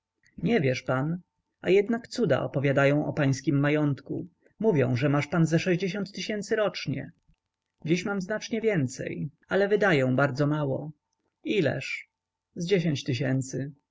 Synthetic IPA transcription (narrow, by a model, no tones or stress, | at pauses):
ɲɛvʲjɛʂpan | a̰jɛd̪nakt̪sud̪a̰ʔɔ̰pɔvʲjad̪ajɔ̃w̃ʔɔpaj̃skʲimːajɔnt̪kṵ | muvʲjɔ̰̃w̃ʐɛmaʂpanzɛʂɛʑd͡ʑeɕ̬ɔ̃nt̪ːɘɕɛnt̪sɘɾɔt͡ʂɲɛ̰ | d͡ʑiɕmamznat͡ʂɲɛvʲjɛnt̪sɛ̰j | alɛvɘd̪ajɛ̃w̃baɾd̪zɔmawɔ | ilɛ̰ʂ | zd͡ʑeɕ̬eɲt͡ɕt̪ɘɕ̬ɛnt̪sɘ